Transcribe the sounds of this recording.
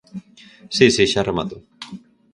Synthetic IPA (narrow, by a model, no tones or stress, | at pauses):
sisiɕaɾama̰t̪o